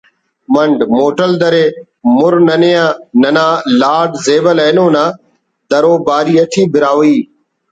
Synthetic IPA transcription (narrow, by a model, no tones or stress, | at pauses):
məɳɖmoːʈəld̪əɾeː | mʊɾnənejãːnɐnãːlaːɖzeːʋəleːnõːnãː | d̪əɾoːbaːɾiːət̪ʰiːbɪɾaːʋiː